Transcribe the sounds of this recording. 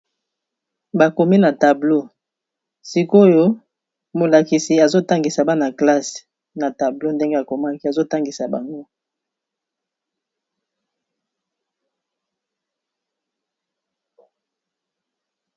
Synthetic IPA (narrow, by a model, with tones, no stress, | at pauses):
ba˨ko˨mi˦na˨ta˨blo˦ | si˨ko˦jo˦ | mo˨la˨ki˨si˨a˨zo˦ta˦ŋɡi˨sa˨ba˦na˨kla˦s | na˨ta˨blo˦nde˦ŋɡe˦a˨ko˨ma˦ki˦a˨zo˦ta˦ŋɡi˨sa˨ba˨ŋɡo˦